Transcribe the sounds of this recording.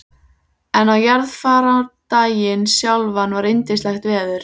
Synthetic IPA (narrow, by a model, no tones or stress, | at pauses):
ɛnawjaɾðfaːɾat̪aːjɪnsjawlvanvaɾejnt̪ɪ̥stlajxt̪vɛːðʏɾ̥